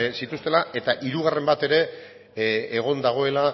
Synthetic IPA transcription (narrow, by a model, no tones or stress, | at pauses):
sit̪ust̪e̞lae̞t̪aʔiɾuɣ̞are̞mbat̪e̞ɾe̞ː | ɣ̞o̞nd̪aɣ̞o̞e̞la